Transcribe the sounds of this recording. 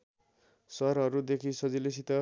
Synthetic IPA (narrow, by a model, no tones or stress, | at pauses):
sʌɾɦʌɾud̪ekʰisʌd͡ziles̬it̪ʌ